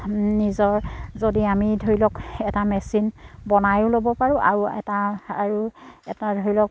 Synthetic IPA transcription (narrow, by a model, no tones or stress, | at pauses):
nizɔɹzodiamidʱoilɔkɛtamɛsinbɔnajʊlobɔpaɹʊ̃ʔa̰ɹuɛ̰taaɹuɛ̰tadʱoilɔk̚